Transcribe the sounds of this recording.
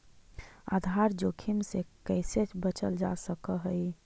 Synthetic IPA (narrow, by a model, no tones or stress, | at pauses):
a̰d̪ʱaɾd͡ʒokʰimsekəɪset͡ʃbət͡ʃəld͡ʒa̰səkəɦəj